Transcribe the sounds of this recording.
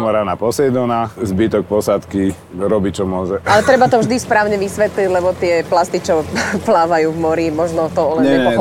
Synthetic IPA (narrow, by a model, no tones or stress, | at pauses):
mɔɾanapɔsɛd̪ɔnazbit̪ɔk̚pɔsat̪ki | ɾɔbit͡ʃɔmʊɔʒɛalɛt̪ɾɛbat̪ɔvʒd̪ispɾaːʊɲɛʋisʋɛt̪liɟlɛbɔt̪ɪɛplast̪it͡ʃɔplaːʋajuːvmɔɾimɔʒnɔt̪ɔɔlɛnɲɛpɔ